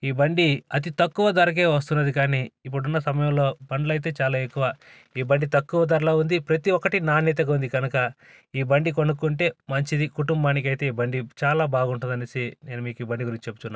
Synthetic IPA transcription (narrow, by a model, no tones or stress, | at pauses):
iːbɐɳɖiɐt̪̬it̪ɐkːuʋɐd̪ɐɾɐk̬e̞ːʋɐs̬t̪unːɐd̪ikaːniːip̬ːuɽunːɐsɐmɐjɐ̃mlo̞ːbɐɳɖlɐjt̪̬e̞ːt͡ʃaːlaːekːuʋaː | iːbɐɳɖit̪ɐkːuʋɐd̪ɐɾlaːund̪ipɾɐt̪iɔkːɐʈinaːnit̪̬ɐɡɐund̪iɡɐnɐkɐ | iːbɐɳɖiko̞nukːuɳʈe̞ːmɐɲt͡ʃid̪ikuʈumbaːnik̬ɐjt̪e̞ːiːbɐɳɖit͡ʃaːlaːbaːɡuɳʈund̪ɐnesine̞ːnumiːkiːbɐɳɖiɡuɾiɲt͡ʃit͡ʃe̞pːu̥t̪unːaː